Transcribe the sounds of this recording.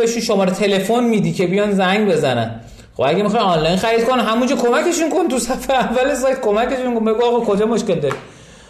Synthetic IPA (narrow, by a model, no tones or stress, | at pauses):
eʃunʃomɒːɾet̪ʰe̞lefonmiːd̪icʰe̞bijɒnzæŋɟbe̞zænæ̰n | χobæɟæmixɒjɒnlɒjnxæɾid̪̚konɦæmund͡ʒɒːkʰo̞mæke̞ʃunko̞nt̪usæfeævːæles̬ɒjt̪̚ko̞mæke̞ʃunkonbe̞ɡuɒɣɑkʰo̞d͡ʒɒmoʃcʲe̞ld̪ɒɾi